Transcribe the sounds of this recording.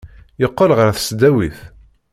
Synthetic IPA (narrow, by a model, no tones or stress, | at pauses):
jəqːəlʁəɾθsd̪æwiθ